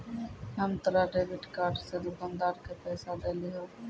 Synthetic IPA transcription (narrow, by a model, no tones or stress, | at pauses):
ɦəmt̪əɾaɖeːbɪʈkaːɾɖsed̪ʊkãːnd̪aːɾkepɛːsad̪eliɦõː